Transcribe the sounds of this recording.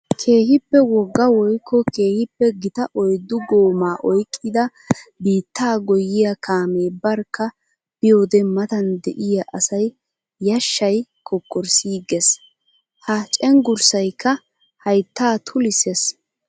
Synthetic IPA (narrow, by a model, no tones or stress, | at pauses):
kʰeːhɪpːɛwɔɡːɐwɔjkʰːɔke̞ːhɪpːɛɡɪt̪ɐʔɔjd̪ːʊɡoːmaːʔɔjkʼːɪd̪ɐ | biːt̪ːaːɡɔjːɪjɐkʰaːmeːbɐɾkːɐ | b̥ɪjoːd̪ɛmɐt̪ɐnd̪ɛʔɪjɐʔɐsɐjː | ɐʃːɐjkʰɔkːɔɾsiːɡɛs | hɐt͡ʃʼɛŋɡʊɾsɐjkːɐ | hɐjt̪ːaːt̪ʰʊlɪses